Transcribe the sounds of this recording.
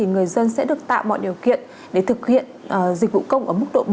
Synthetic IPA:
i˨˩ŋɨ˨˩əjzə˧nsɛ̰˧˥ɗɨ˨˩ək̚t̪a̰ː˧˨wmɔ̰˧˨jɗi˨˩əwkḭ˧˨ən | ɗe˧˩t̪ʰɨ˨˩k̚hḭ˧˨ən˨˩zi̟˨˩vṵ˧˨kə˧wŋ͡mʔəː˧˩mɨ˦˥k̚ɗo̰˧˨

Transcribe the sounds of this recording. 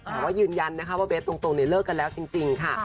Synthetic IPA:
ɔ˨˧˩waː˥˩jɯː˧˩nja˧nːa˦˥k̚ʰwaː˥˩beː˦˥t̪ːo˧ŋt̪o˧ŋni˧˩lɤː˥˩kːa˧nlɛː˦˥wt͡ɕi˧ŋt͡ɕi˧ŋkʰa˥˩

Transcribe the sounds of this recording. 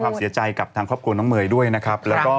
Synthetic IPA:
aː˥˩m̚si˨˦t͡ɕa˧jka˨˩p̚t̪ʰaː˧ŋkʰɾɔː˥˩pkʰu˧nɔː˦˥ŋmɯː˧jdu˥˩əjna˦˥kʰa˦˥p̚lɛː˦˥wkɔː˥˩

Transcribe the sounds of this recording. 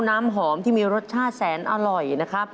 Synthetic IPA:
naː˦˥mɦɔː˩˦mt̪ʰiː˥˩miː˧ɾo˦˥t̪̚t͡ɕʰaː˥˩t̪̚sɛː˩˦nʔa˧ɾɔ˨˩jna˦˥kʰɾa˦˥p̚

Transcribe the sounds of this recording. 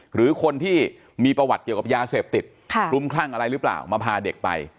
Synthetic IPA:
ɾɯː˩˦kʰo˧nt̪ʰiː˥˩ | miː˧pɾa˧wa˨˩ki˨˩əwka˨˩jaː˧seː˨˩p̚t̪i˨˩t̪̚kʰlu˦˥˩mkʰlaː˥˩ŋʔa˧ɾa˧jɾɯː˦˥pla̰ː˨˩wmaː˧pʰaː˧de˨˩k̚pa̰˧j

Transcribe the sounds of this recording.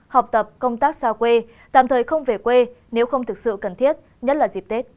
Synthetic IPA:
ha˨˩wk͡p̚t̪ə˨˩p̚kə˧wŋ͡mt̪aː˦˥k̚saː˧kwe˧ | t̪a̰ː˧˨t̪ʰəː˨˩jxə˧wŋ͡mve˨˩kwe˧ | ne˨˦wxə˧wŋ͡mt̪ʰɨ˨˩k̚sɨ̰˧˨kə˨˩nt̪ʰi˦˥ət̚ | ɲə˦˥t̚laː˨˩zi˨˩p̚t̪e˦˥t̚

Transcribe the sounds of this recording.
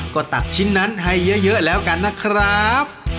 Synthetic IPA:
kɔː˧˩t̪a˨˩k̚t͡ɕʰi˦˥nːa˦˥nɦa˥˩jːɤ˦˥jɤ˦˥lɛː˦˥wka˧nːa˦˥kʰɾa˦˥p̚

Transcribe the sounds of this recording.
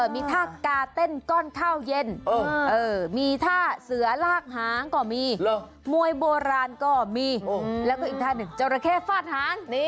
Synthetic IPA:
ʔɤː˧˩miː˧t̪ʰaː˧˥˩kaː˧t̪e˥˩nkɔː˥˩nkʰaː˥˩wje˧nː˧˩ʔɤː˧˩miː˧t̪ʰaː˥˩sɯ˩˦ɐlaː˥˩k̚ɦaː˨˩˦ŋkɔː˧˩miː˧ | mu˧əjboː˧ɾaː˧nkɔː˥˩miː˧lɛː˦˥kɔː˥˩ʔi˨˩t̪ʰaː˥˩nɯ˨˩ŋt͡ɕa˧ɾa˧kʰeː˥˩faː˥˩t̪̚haː˩˦ŋ˦˥

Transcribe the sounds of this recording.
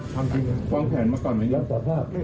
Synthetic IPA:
t̪ʰa˧mt͡ɕi˧ŋkwaː˧mpʰɛː˩˦nmaː˧kɔː˨˩nmaː˨˧˥ja˧˦saː˨˩˦pʰaː˥˩p̚

